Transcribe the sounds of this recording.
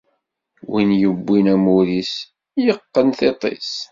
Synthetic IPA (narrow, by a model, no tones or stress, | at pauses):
winjəbːinæmuɾis | jəqːənθet̪ˤḛs